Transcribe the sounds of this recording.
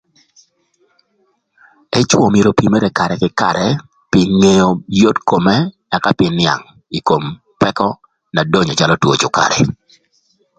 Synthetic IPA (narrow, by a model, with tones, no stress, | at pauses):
ɛ˦t͡ʃwɔ˨mje˨ɾo˨pi˨me˦ɾe˨ka˨ɾɛ˨kɪ˦ka̰˨ɾɛ˨ | pɪ˨ŋe˦jo˨jo˦tko˨mɛ˦ | a˨ka˦pɪ˦nɪa̰˨ŋ | i˨ko˨m | pɛ˦kɔ˦ | na˨do˦ɲɔ˨t͡ʃa˦lɔ˦two˨t͡ʃʊ˨ka̰˨ɾɛ˨